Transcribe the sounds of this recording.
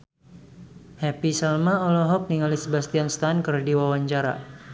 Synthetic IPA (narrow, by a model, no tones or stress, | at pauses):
hɛpisɛlmaɔlɔɦɔk̚niŋalisəbast̪ianst̪ankərdiwawaɲt͡ʃaɾa̰